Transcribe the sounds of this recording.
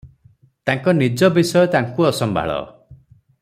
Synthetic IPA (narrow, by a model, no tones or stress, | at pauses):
t̪aŋkɔnid͡ʒɔbisɔjɔt̪aŋkuɔsɔmbʱa̰ɭɔ̰